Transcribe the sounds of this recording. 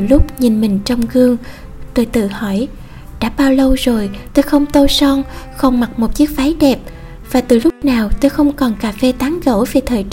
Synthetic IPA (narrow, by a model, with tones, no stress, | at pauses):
ɨ˨˩lʊ˦˥k͡p̚ɲi˨˩nmï˨˩ŋ̟t͡ɕɔ˧wŋ͡mɣɨ˧əŋ | t̪oː˧˩jt̪ɨ̰˧˨hɔ˧˩j | ɗa̰ː˧˥ɓaː˧wlə˧wzo˨˩jt̪o˧jxə˧wŋ͡mt̪o˧sɔ˧nxə˧wŋ͡mma˨˩k̚mo˨˩t̚t͡ɕi˦˥ək̚faː˨˦jɗɛ˨˩p̚ | v̥aː˨˩t̪ɨ˧˨˩lʊ˦˥k͡p̚naː˨˩wt̪oː˧jxə˧wŋ͡mkɔ˨˩nkaː˧˩fɛ˧t̪aː˨˦ŋɣə̰˧˩vɛ˨˩t̪ʰəː˨˩jt͡ɕ